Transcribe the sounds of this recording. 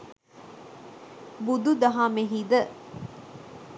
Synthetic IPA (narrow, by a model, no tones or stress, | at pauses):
bud̪ud̪ɐɦaːmeɦiːd̪ə